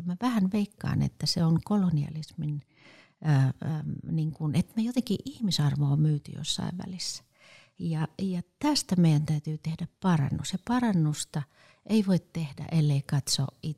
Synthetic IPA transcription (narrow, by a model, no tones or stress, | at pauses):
mæʋæhænʋeikːɑ̰ːnḛt̪ːæseoŋkoloniɑ̰lisminː | niŋkunet̪mejot̪eŋkiʔihmisɑrʋoːmyːt̪y̰jo̰sːɑ̰iʋʋæ̰lisːæ̥ | jɑjɑt̪æst̪æmeijænt̪æyt̪yːt̪ehdæppɑrɑ̰nːusjɑpɑrɑnːust̪ɑ | eiʋoit̪t̪ehdæ̰ʔelːeikɑt̪so̰ʔi